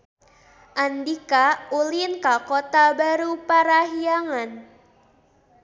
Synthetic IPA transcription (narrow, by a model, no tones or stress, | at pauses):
ʔandikaulinkakot̪abaɾupaɾaɦiaŋan